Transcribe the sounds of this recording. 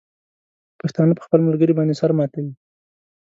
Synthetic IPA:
paxt̪ɑnəpə̥xpəlməlɡəɾibɑnd̪esaɾmɑt̪awi

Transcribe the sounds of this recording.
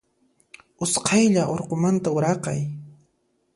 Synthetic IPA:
ʊsqʰɑjʎaʔoɾqomant̪aʊɾɑqɑj

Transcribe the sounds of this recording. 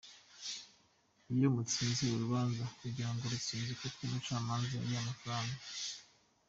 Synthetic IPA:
ijomut͡siːnziuɾuβaːnzakuɟiɾaŋɡoɾut͡siːnzikotwimut͡ʃaːmaːnzajiamafɾaːŋɡa

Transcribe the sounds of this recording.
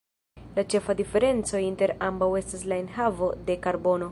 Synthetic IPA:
lat͡ʃe̞fadife̞ɾe̞nt͡so̞inte̞ɾambawe̞staslaenɦavo̞de̞kaɾbo̞no̞

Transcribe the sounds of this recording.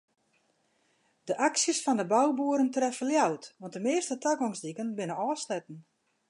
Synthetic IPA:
dəʔaksjəsfɔndəbawbuəɾəntrɛfəljawtʋɔntdəmɪːəstətʰaɡɔŋsdikənbɪnənɔːslɛtn̩

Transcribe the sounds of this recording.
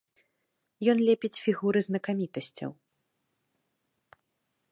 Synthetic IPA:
jɔnlʲɛpʲit͡sʲfʲiɣuɾɨznɐkamʲit̪ɐsʲt͡sʲɐ̰w

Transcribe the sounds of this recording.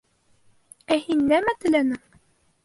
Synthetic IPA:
æhinːæmæt̪ælænə

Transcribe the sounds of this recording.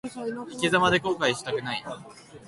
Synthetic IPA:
ikʲizamad̪e̞ko̞ːkaiɕi̥t̪akɯ̟nai

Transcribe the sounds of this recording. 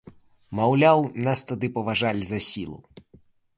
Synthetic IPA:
mawlʲawnast̪ad̪ɨpɐvaʐalʲzɐsʲilˠṵ

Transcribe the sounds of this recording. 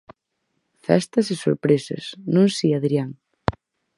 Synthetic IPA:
fɛ̰st̪ɐsɪso̰ɾpɾesɐ̰snũŋsiaðɾiaŋ

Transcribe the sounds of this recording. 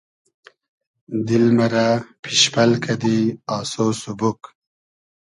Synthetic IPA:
d̪ilmaɾapʰiʃpʰalkʰad̪iɑːsoːsubuk

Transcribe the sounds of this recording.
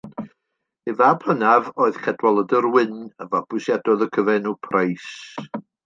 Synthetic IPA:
evapʰlˠənavoːɨðkʰɛdwɔlˠədərwɪnəvab̥ʊsjadɔðəkʰəvɛnupʰrajs

